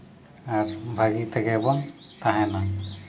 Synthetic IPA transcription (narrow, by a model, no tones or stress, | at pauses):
aɾbʱaɡit̪aɡɛbɔn | t̪aɦɛ̃na